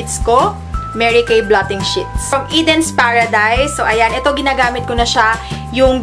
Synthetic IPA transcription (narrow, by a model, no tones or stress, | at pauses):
ɪt̪sko | mɛɹɪkejblat̪ɪŋʃɪt̪̚sɐmʔid̪ɛnspaɹɐd̪ajsoʔɐjanʔɛt̪o̞ɡɪnaːɡaːmɪt̪̚konɐʃa | jʊŋ